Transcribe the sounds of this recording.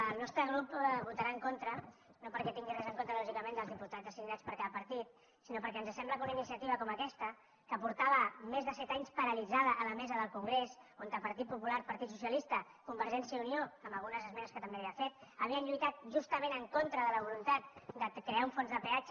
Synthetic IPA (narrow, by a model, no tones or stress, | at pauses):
əlˠnɔst̪ɾəɣ̞ɾupβut̪aɾaəŋkont̪ɾənopəɾkɛt̪iŋɡirɛzəŋkont̪ɾəlɔʒikəmẽnd̪əlˠzðiput̪ad͡zəsiɡnat͡spəɾkaðəpəɾt̪it̪̚ | sinopəɾkɛənzəsɛmbləkunəinisiət̪iβ̞əkɔməkɛst̪ə | kəpuɾt̪aβəmezðəsɛt̪aɲspəɾəlid͡zaðəʔələmɛzəðəlˠkuŋɡɾesont̪əpəɾt̪it̪̚pupulaɾpəɾt̪it̪susiəlist̪ə | kumbəɾʒɛnsiəunioəmbəlˠɣunəzəzmɛnəskət̪əmbeaβiafet̪̚əβiənʎujt̪at̪̚ʒust̪əmenəŋkont̪ɾəðələβ̞ulunt̪at̪̚d̪əkɾeauɱfonzðəpeat͡ʃ